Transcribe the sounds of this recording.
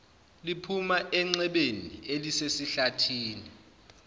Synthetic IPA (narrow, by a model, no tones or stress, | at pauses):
lipʰumaʔɛŋ͡ǀɛɓenielisesiɬatʰiːni